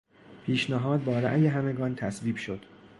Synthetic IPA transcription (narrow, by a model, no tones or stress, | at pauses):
pʰiːʃnæɦɒːd̪̚bɒːɾæ̰ʔjeɦæmeɡɒːnt̪ʰæsviːbʃo̞d̪̥